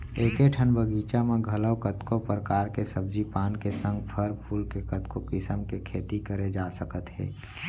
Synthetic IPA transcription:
eːkeʈʰənbəɡiːt͡ʃamẽɡʱələwkət̪kopɾəkaːɾkesəbd͡ʒipaːnkesə̃ŋɡpʰəɾpʰuːlkekət̪kokɪsəmkekʰeːt̪ikəɾed͡ʒaːsəkət̪ɦɛ̰ː

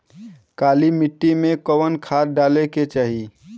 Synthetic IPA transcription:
kalimiʈːimekəwənkʰaɾɖaleket͡ʃaːɦi

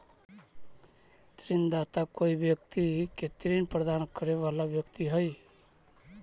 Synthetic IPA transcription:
t̪ɾind̪aːt̪akoːiʋjəkt̪iket̪ɾiːnpɾəd̪aːnkəɾeʋalaʋjəkt̪iɦəj

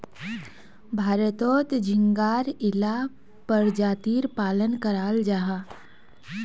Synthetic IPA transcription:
bʱaːɾət̪oːt̪d͡ʒʱɪ̃ŋɡaːɾɪla | pəɾd͡ʒaːt̪iːɾpaːlənkəɾaːld͡ʒaːɦaː

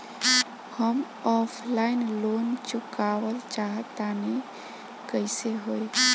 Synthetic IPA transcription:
həm | ɔpʰlainlont͡ʃukawəlt͡ʃaɦət̪ane | kəɪseɦoi

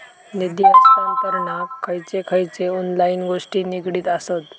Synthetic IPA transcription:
nid̪jaskamkəɾɳakʰːəjt͡sekʰəjt͡seɔnlainɡoʂʈiːnikɽiːt̪asət̪

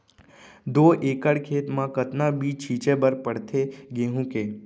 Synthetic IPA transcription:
d̪oːʔeːkəɽkʰeːt̪mãkət̪nabʱiːt͡ʃʰiːt͡ʃebəɾpəɽt̪ʰeɡeːɦũkeː

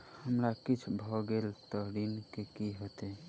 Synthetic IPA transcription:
həmɾakit͡ʃʰbʱɔɡelt̪əɾinkekiɦot̪e

